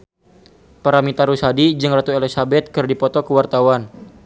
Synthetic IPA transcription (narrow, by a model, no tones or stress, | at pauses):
paɾamit̪aɾusadid͡ʒɨŋrat̪uelisabɛt̪̚kɨrdipɔt̪ɔkəwart̪awan